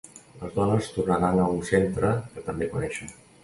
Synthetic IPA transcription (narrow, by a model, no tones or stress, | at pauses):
ləzðɔnəst̪urnəɾanəunsent̪ɾəkət̪əmbekunɛʃən